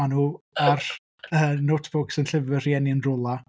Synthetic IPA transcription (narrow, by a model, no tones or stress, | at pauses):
anuː | ar | əːnotʰfʊksənɬɪvər̥iɛniɪəndrʊlˠa